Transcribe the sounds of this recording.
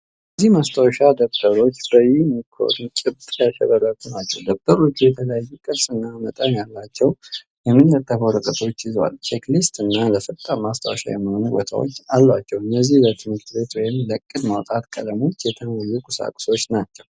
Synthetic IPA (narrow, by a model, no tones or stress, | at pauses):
jəzːihmast̪ʰawʃad̪əbb̥əɾo̞t͡ʃːɾəjimikʰːo̰ɾɨnt͡ʃʼɪbt̪ʼjaʃɛ̰βəɾət̪unat͡ʃːɛ̰wd̪əbb̥əɾo̞t͡ʃːujɛt̪ʰələjajːukʼɨsɨnːamət̪ʼənjalːat͡ʃːɛw | jɛmːinːət̪ʼːəfəwɾɨkʼət̪ʰo̞t͡ʃːɪza̰lt͡ʃʰeklist̪ɨnːaləfət̪ʼːamast̪ʰa̰wʃa̰jɛ̰mːəho̞nubo̰t̪ʰa̰wo̰t͡ʃːalːwat͡ʃːɛwɨnːəzːihlət̪ʰimɨɾt̪ʰbe̞t̪wɔjɪmləkʼːɨt̪mawt̪ʼat̪kʼə̰ləmo̞t͡ʃːjɛt̪ʰənajːukʼʊsa̰kʼʊ̥so̞t͡ʃːnat͡ʃːɛw